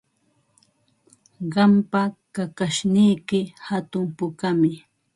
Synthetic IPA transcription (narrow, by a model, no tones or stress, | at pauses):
ɢɑmpakakaʃnɪjkɪhat̪ʊmpʊkamɪ